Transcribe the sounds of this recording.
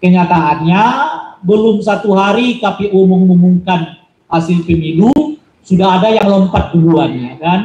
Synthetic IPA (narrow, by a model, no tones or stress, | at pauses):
kəɲat̪aʔːnɲabəlʊmsat̪uɦaɾikapeʔuməŋmumuŋkan | hasɪlpəmidu | sudaɦadajaŋlɔmpat̪̚ɡuluanɲakan